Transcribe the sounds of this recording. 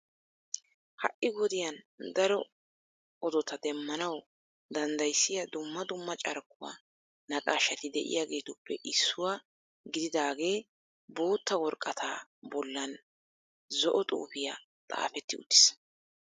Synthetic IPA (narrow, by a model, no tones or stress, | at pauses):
hɐ̰ʔɪɡɔd̪ɪjɐn | d̪ɐɾɔ | ʔɔd̪ɔt̪ɐd̪ɛmːɐnɐw | d̪ɐnd̪ɐjsːɪjɐd̪ʊmːɐd̪ʊmːɐt͡ʃʼɐɾkːʊwa̰ | nɐkʼaːʃːɐt̪ɪd̪ɛʔɪ̰jaɡe̞ːt̪ʊpːɛʔɪsːʊwa | ɡɪd̪ɪd̪aːɡe̞ː | boːt̪ːɐwɔɾkʼːɐt̪ʰaːbɔlːɐn | zɔʔɔt̪ʼṵːpɪja | t̪ʼa̰ːfɛt̪ːɪʊ̰t̪ːɪ̥s